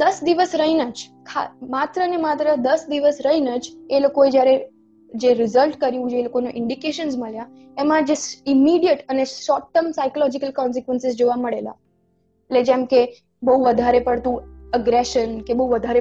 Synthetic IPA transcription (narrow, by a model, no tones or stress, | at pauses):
d̪əsd̪iʋəsɾəɦinad͡ʒkʰa̰mat̪ɾənemat̪ɾəd̪əsd̪iʋəsɾəɦinad͡ʒelokoed͡ʒjaɾe | d͡ʒeɾɪzəlʈkəɾjũd͡ʒelokoneʔɪɳɖikeʃənsməɭja | emãd͡ʒesimiɽijəʈəneʃɔʈːəmsajkolɔd͡ʒikəlkɔns̬ikʋənsɪzd͡ʒoʋaməɭela̰ | eʈled͡ʒemke | bəɦuʋəd̪ʱaɾepəɽt̪ũəɡɾeʃənkebəɦuʋəd̪ʱaɾe